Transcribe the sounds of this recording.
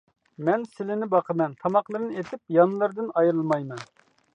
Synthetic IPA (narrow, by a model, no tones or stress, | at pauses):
mɛnsɪlɪnɪbɑqʰəmɛnt̪ʰɑmɑqlˠɨɾɨnɨet̪ʰɪp̚jɑnlˠɨɾd̪ɨnɑjɾɨlˠmɑjmɛn